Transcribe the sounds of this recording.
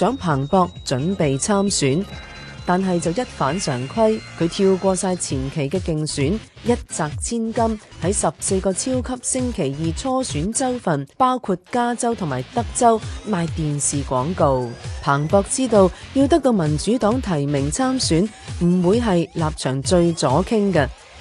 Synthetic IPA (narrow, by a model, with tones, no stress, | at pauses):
t͡sœː˨˥ŋpʰaː˨˩ŋpɔː˧k̚t͡sɵ˨˥npe˨jt͡sʰaː˥msyː˨˥n | t̪aː˨nɦɐ˨jt͡sɐ˨wjɐ˥t̚faː˨˥nsœː˨˩ŋkʰɐ˥jkʰɵ˨˧ɥt̪ʰiː˧wkʷɔː˧saː˧jt͡sʰiː˨˩nkʰe˨˩jkɛː˧kɪ˨ŋsyː˨˥n | jɐ˥t̚t͡saː˨k̚t͡sʰiː˥nkɐ˥mhɐ˨˥jsɐ˨p̚se˧jkɔː˧t͡sʰiː˥wkʰɐ˥p̚sɪ˥ŋkʰe˨˩jjiː˨t͡sʰɔː˥syː˨˥nt͡sɐ˥wfɐ˨npaː˥wkʰu˧t̚kaː˥t͡sɐ˥wt̪ʰʊ˨˩ŋmaː˨˩jt̪ɐ˥k̚t͡sɐ˥wmaː˧jt̪iː˨nsiː˨˩kʷɔː˨˥ŋko˨wpʰaː˨˩ŋpɔː˧k̚t͡siː˥t̪o˧wjiː˧wt̪̬ɐ˥k̚t̪o˧wmɐ˨˩nt͡ʃyː˨˥t̪ɔː˨˥ŋt̪ʰɐ˨˩jmɪ˨˩ŋt͡sʰaː˥msyː˨˥n | m̩˨˩wuː˨˧jɦɐ˨jlaː˨p̚t͡ʃʰœː˨˩ŋt͡ʃɵ˧ɥt͡sɔː˨˥kʰɪ˥ŋkɐ˧